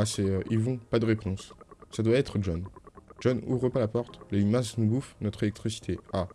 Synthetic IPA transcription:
asɛøʔilvɔ̃pad̪əʁepɔ̃sːad̪waɛt̪χəʒɔnʒ̥ɔnṵvʁəpalapɔʁt̪lemasnubufnɔt̪χelɛk̚t̪χisi̥t̪ʰea

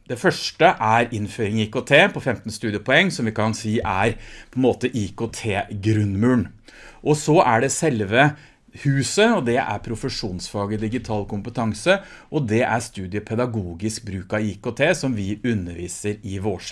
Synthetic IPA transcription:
d̪̥ɛfœʂʈəʔæɾɪnføːɾɪŋiːkoːt̪ʰeːpʰɔfɛmt̪nst̪ʉːd̪ɪəpʰɔɛŋːsɔmʋɪkɑnsiːʔæɾpʰɔɛnmoːt̪əʔiːkot̪ʰeːɡɾʉnmʉːɳ | ʔɔsɔʔæɖɛsɛlʋə | hʉːsəɔd̪ɛʔæ̰ɾpʰɾʊfəʂuːnsfɑːɡəd̪ɪɡɪt̪ʰɑːlkʰʊmpət̪ʰɑŋsəʔɔd̪ɛʔæɾst̪ʉːd̪ɪəpʰɛd̪ɑɡuːɡɪskbɾʉːkɑiːkot̪ʰeːsɔmʋɪʉnːəɾʋiːsəɾɪʋoːʂ

